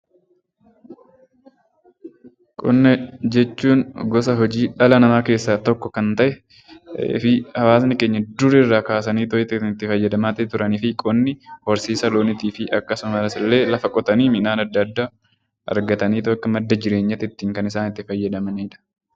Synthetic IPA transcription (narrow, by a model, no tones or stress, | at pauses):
kʼʊnːɛd͡ʒɛt͡ʃːuːnɡɔsɐɦɔd͡ʒiːᶑɐlɐnɐmaːke̞ːsːaːt̪ɔkːɔkɐnt̪ɐʔɛ̰ | fɪhɐwaːsnɪke̞ːɲːɐd̪ʊɾɪɪrːaːkaːs̬ɐniːt̪ɔɪt̪ːɪɪt̪ːɪfɐjːɐd̪ɐmaːt̪ɪt̪ʊɾɐniːfɪkʼɔnːɪhɔɾsiːsɐloːnɪt̪iːfɪʔɐkːɐsʊmɐɾɐsɪlːe̞ːlɐfɐkʼɔt̪ɐniːmɪnaːnɐd̪ːɐd̪ːaː | ʔɐ̰ɾɡɐt̪ɐniːt̪ɔɐkːɐmɐd̪ːɐd͡ʒɪɾe̞ːɲːɐt̪ɪt̪ːiːŋkɐnɪsaːnɪt̪ːɪfɐjːɐd̪ɐmɐniːᶑɐ̥